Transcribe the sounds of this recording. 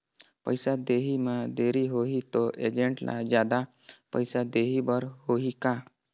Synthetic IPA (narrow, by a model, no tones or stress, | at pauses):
pəjsad̪eɦimad̪eɾiɦoɦit̪oʔḛd͡ʑeɳʈlʔa̰d͡ʑjad̪a | pəjsad̪eɦibəɾhoɦika